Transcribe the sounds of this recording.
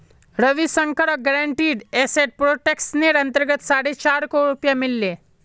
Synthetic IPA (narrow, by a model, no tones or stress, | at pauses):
ɾɐʋisə̃ŋkəɽɔɡəɾəɳʈiːɖeːseʈ̚pɾoːʈeːksneːɾɐ̃nt̪əɾɡət̪saːɽet͡ʃaːɾkoɾʊpjamɪlːeː